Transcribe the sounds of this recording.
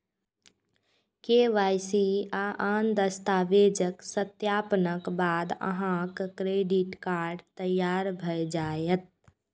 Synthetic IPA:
keːʋaːjsiaʔaːnd̪əst̪aːʋeːd͡ʒəksət̪jaːpənəkbaːd̪ə̰ɦãkkɾeːɖiʈkaːɾɖt̪əjːaːɾbʱəjd͡ʒaːjət̪̚

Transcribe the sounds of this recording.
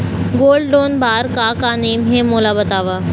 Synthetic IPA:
ɡoːlɖɖoːnbaːɾkaːkaːneːmɦẽmoːlabɐt̪aːʋaː

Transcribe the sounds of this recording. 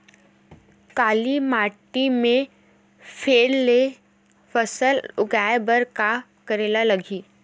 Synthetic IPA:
kaːlimaːʈimẽ | fʰeːlːe | fəsəlʊɡaːebəɾka | kəɾeːlalɐɡʱiː

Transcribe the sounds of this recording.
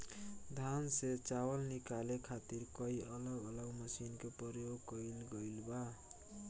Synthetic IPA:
d̪ʱanset͡sawʌlnikalekʰat̪irkʌiʔʌlʌɡʌlʌɡmʌsinkopʌɾjoɡkʌilɡʌjlba

